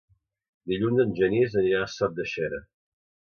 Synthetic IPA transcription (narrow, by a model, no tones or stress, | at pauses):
d̪iʎund̪ənʲd͡ʒənizəniasap̪̚d̪əʃɛɾə